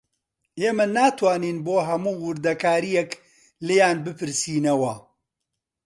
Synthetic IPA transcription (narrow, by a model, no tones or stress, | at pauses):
eːmɐnaːt̪ʰwaːniːnboːɦɐmuːwʊɾd̪ɐkaːɾijɛk | lejaːnbɨpʰɨɾsiːnɐwɐ